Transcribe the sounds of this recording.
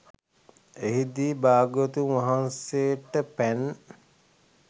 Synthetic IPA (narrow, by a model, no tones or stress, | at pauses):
eɦid̪iːbaːɡot̪uŋʋaɦanseʈəpæn